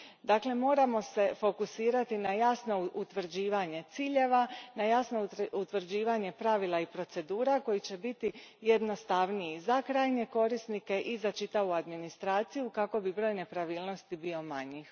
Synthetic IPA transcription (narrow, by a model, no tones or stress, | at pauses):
d̪aːkle̞mo̞ːɾamo̞se̞fo̞kusiːɾat̪inajasno̞ut̪ʋr̩d͡ʑiːʋaɲe̞t̪siːʎe̞ʋanajasno̞ut̪ʋɾd͡ʑiːʋaɲe̞pɾaʋilˠaipɾo̞t̪se̞d̪uːɾako̞jit͡ɕe̞bit̪ijed̪no̞st̪aʋnijizakɾaːjɲe̞ko̞ɾisnike̞ʔizat͡ʃit̪aʋuad̪minist̪ɾaːt̪sijukako̞bibɾo̞ːjne̞pɾaʋiːlˠno̞st̪ibio̞maɲix